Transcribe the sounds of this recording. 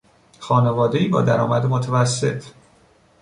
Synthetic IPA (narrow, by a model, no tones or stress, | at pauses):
xɒːne̞vɒːd̪e̞iːbɒ̰ːd̪æɾɒːmæd̪emot̪ʰævæsːe̞̰t̪ʰ